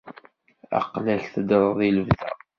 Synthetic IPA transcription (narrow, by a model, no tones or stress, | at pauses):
æ̰qlæɬθəd̪ɾˤəðˤiləvðæ̰